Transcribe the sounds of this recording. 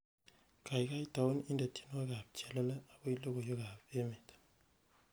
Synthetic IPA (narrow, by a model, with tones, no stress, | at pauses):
ka˨i˨ka˦i˦ta˨o˦ni˦nda˨tʰi̥˦nwa˦ɡa˨p̚t͡ʃa˨la˦la˦a˨bo˦i˦lo˦ɡo˨jo˦ɡa˨pe˦me˨t